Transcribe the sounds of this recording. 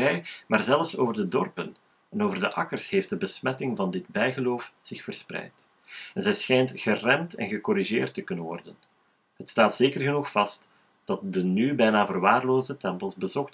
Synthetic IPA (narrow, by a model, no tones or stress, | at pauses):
ɛjmaːrzɛlˠfsoːvərdədɔrpən | ɛnoːvərdəʔɑ̰kərsheːft̚dəbəsmɛtɪŋvɑndɪd̚bɛjɣəloːfz̥ɪxfərsprɛ̰jt | ɛnzɛjsxɛjntɣərɛmtɛ̰nɣəkɔɾiʒeːrtːəkɵnənʋɔ̰rdən | ɦətstaːtseːkərɣənuxfɑst | d̥ɑt̚dənybɛjnaːvərʋaːrloːzdətɛmpəlˠzbəzɔxt